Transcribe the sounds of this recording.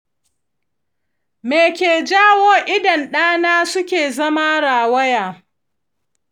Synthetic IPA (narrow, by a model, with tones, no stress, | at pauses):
meː˨kʲeː˨d͡ʒaː˦woː˦ʔɪ˦dɐ˨nɗaː˦naː˦sʊ˦kʲeː˨zɐ˦ma˦ɽaː˨wɐ˦jaː˨